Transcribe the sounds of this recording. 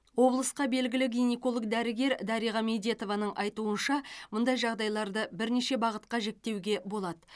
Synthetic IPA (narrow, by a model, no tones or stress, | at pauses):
wo̞blˠəsqɑbe̞lɡʲɪlɪɡʲinʲeko̞lˠəɡd̪æɾɪɡʲe̞ɾd̪ɑɾijʁɑme̞d̪e̞t̪o̞vɑnəɴʔɑjt̪uənʃɑmʊnd̪ɑjʒɑʁd̪ɑjlˠɑɾd̪əbɪɾne̞ʃe̞bɑʁət̪̚qɑʒe̞k̚t̪ːe̞wɡʲe̞bo̞lˠɑd̪ə